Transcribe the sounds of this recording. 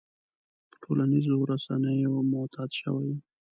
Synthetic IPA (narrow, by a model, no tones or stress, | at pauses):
pə̥ʈʰolanizoɾasa̰nəjomʊt̪ʰɑd̪ʃə̰waj